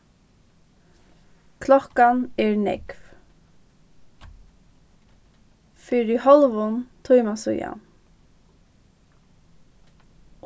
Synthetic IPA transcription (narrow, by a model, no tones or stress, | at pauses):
kʰlɔhkanɛɹnɛ̰kv | fɪɹɪhɔlʋʊnt̪ʰujmasʊ̰ja̰